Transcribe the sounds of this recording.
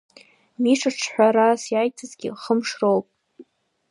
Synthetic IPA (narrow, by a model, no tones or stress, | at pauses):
miʂɨʈ͡ʂʰħʷᶣaɾasjaːjtʰɨzɡʲḭχəmʂrowpʼ